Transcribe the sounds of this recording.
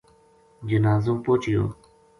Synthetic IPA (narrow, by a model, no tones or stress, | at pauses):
d͡ʑənazoŋpot͡ɕijo̰